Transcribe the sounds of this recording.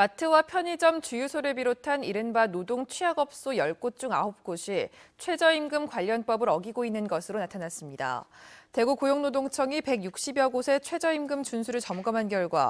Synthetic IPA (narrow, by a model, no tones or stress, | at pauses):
matʰɯwapʰjʌɲid͡ʑʌmt͡ɕujusʰoɾɯɭbiɾotʰaniɾɯnbanodoŋt͡ɕʰɥiaɡʌp̚s͈ojʌɭk͈ot͡ɕ͈uŋa̰hop̚k͈oɕʰit͡ɕʰwe̞d͡ʑʌimɡɯmkwaʎːʌnp͈ʌbɯɾʌɡiɡoinːɯnɡʌsʰɯɾonatʰanas͈ɯmɲida̰te̞ɡukojoŋnodoŋt͡ɕʰʌŋipe̞ɡjuk̚ɕ͈ibjʌɡosʰe̞t͡ɕʰwe̞d͡ʑʌimɡɯmt͡ɕunsʰuɾɯɭt͡ɕʌmɡʌmɦanɡjʌɭɡwa̰